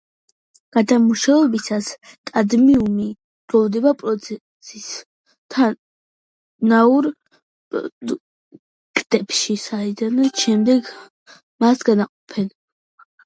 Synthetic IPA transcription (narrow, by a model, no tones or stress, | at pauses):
ɡ̥ad̪amuʃaɛbisaskʼad̪miumi | ɡ̥ɾɔvd̪ɛbapʼɾɔt̪sʰɛ | sis | t̪ʰa | nauɾ̰ | kʼd̪̥ɛpʃisaid̪anɔʃɛmd̪ɛɡ | masɡanaqʼɔpʰɛn